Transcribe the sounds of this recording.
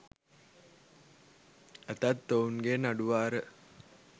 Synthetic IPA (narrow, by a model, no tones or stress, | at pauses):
ət̪at̪ːounɡenaɖuʋaːɾə